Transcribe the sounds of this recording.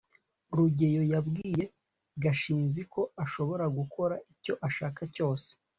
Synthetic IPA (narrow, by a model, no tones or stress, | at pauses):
ɾuɟe̞jo̞jabɡiːje̞ | ɡaʃiːnziko̞aʃo̞βo̞ɾaɡuko̞ɾaʔico̞ʔaʃaːkaco̞ːse̥